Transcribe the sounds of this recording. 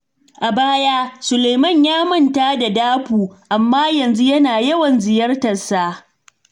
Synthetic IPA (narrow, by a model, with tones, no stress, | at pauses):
ʔa˨baː˦jaː˦sʊ˨le˨jmɐ˦˨ɲjaː˦mɐ˦˨ntaː˦da˨daː˦ɸuː˨ʔa˨mːaː˦jɐ˨nzu˦jɐ˦naː˨jɐ˦wɐ˨nzɪ˨jɐ˦rtɐ˨sa˦ʔ